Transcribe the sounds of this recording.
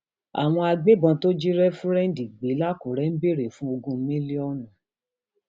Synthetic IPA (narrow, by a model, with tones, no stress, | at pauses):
a̰˨w̃ɔ̃˧a˧ɡ͡be˦bɔ̃˧to˦d͡ʒi˦ɾɛ˦fũ˦ɾɛ̃˦n˦di˨ɡ͡be˨˦la˦ku˨ɾɛ˦n̩˦be˦˨ɾe˨fũ˦o˧ɡũ˧˦mĩ˦li˦ɔ˦nã˨